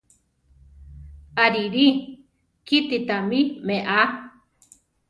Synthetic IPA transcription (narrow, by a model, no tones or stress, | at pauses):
aɾiɾi | kit̪it̪amimeʔa